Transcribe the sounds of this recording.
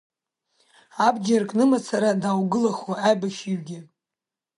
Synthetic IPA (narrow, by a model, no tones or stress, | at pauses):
abd͡ʒarkʼnɨmat͡sʰaɾadaːwɡɨlaχwaajbaʃiɥɡʲɪ